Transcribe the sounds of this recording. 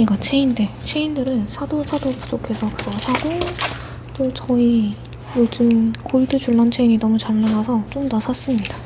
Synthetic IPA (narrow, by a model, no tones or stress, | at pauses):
ɲiɡat͡ɕʰe̞inde̞t͡ɕʰe̞indɯɾɯnsʰadosʰadopud͡ʑokʰe̞sʰʌkɯɡʌsʰaɡo | t͈ot͡ɕʌi | jod͡ʑɯnkoɭdɯd͡ʑuɭːant͡ɕʰe̞iɲinʌmut͡ɕaɭːaŋasʰʌt͡ɕ͈omnasʰas͈ɯmɲida